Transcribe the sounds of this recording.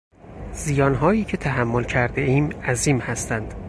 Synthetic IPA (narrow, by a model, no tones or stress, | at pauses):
z̥ijɒːnɦɒːjiːcʰe̞t̪ʰæɦæmːolcʰæɾd̪eʔiːmæziːmhæst̪ænd̪̥